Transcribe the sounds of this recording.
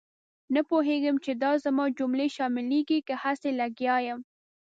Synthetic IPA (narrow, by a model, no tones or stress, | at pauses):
napoɦeɡəmt͡ʃed̪ɑzamɑd͡ʒʊmleʃɑmɪleɡikahaselaɡjɑjəm